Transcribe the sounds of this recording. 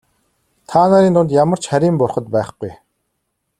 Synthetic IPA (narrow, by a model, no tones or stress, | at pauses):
t̪ʰaːnaːɾiːnt̪ʊnt̪jamə̆r̥t͡ɕχæɾʲiːmpʊrχə̆t̪pæːχɡuj